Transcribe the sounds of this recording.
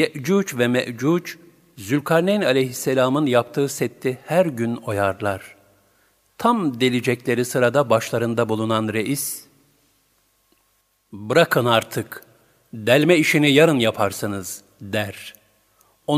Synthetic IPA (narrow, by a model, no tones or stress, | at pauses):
ɛʔd͡ʒuːt͡ʃvɛmɛʔd͡ʒuːt͡ʃ | zylʲkʰaɾnɛnalʲejɦisːelʲaːmɯnjapt̪ʰɯːsɛt̪ʰːihæɾɟyno̞jaɾlˠaɾ̥ | t̪ʰamd̪elʲid͡ʒɛclʲe̞ɾisɯɾad̪abaʃlˠaɾɯnd̪abulˠunanɾeʔis | bɯɾakʰɯnaɾt̪ʰɯk | d̪ɛlʲmɛiʃinijaɾɯnjapʰaɾsɯnɯz̥ | d̪æɾ | o